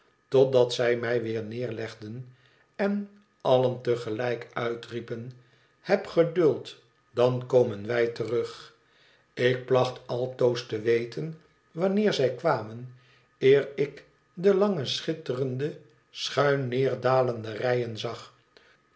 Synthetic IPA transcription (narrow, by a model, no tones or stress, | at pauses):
tɔt̚dɑtsɛjmɛjʋɪːɹnɪːɹlɛχdən | ɛn | ɑləntəχəlɛjkœɥtripən | hɛpχədɵlˠt | d̥ɑnkowmənʋɛjtərɵχ | ɪk̚plɑχtɑlˠtowstəʋejtən | ʋɑnɪːɹzɛjkʋaːmən | ɪːɹɪk | dəlɑŋəsχɪtərəndə | sχœɥnːɪːɹdaːləndərɛjənzɑχ